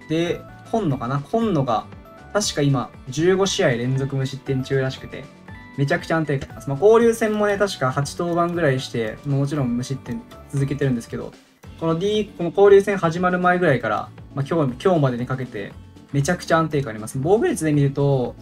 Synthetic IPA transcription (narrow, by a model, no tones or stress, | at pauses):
d̪e̞ | kʰõ̞nːo̞kanakʰõ̞nːo̞ɡa̰ | t̪aɕi̥kaima | d͡ʑɨːɡo̞ɕiaiɾẽ̞nd͡zo̞kɯ̟mɯ̟ɕit̪ːẽ̞ɲ̟t͡ɕɨːɾaɕi̥kɯ̟̥t̪e̞̰ | me̞t͡ɕakɯ̟̥t͡ɕãnt̪e̞ːkaːɾʲimasɨmako̞ːɾʲɨːsẽ̞mːo̞ne̞t̪aɕi̥kahat͡ɕi̥t̪o̞ːbãŋɡɯ̟ɾaiɕi̥t̪e̞momo̞t͡ɕiɾõ̞mmɯ̟ɕit̪ːẽ̞ | t͡sɨzɨke̞t̪e̞ɾɯ̟nd̪e̞sɨ̥ke̞d̪o̰ | ko̞no̞dʲikko̞no̞ko̞ːɾʲɯːsẽɰ̃haʑimaɾɯ̟maeɡɯ̟ɾaikaɾa̰makʲo̞ːkʲo̞ːmad̪e̞ne̞kake̞t̪e̞̰ | me̞t͡ɕakɯ̥t͡ɕaãnt̪̬e̞ːkaaɾʲimasɨnebo̞ːɡɯ̟ɾʲit͡sɨd̪e̞mʲiɾɯ̟t̪o̞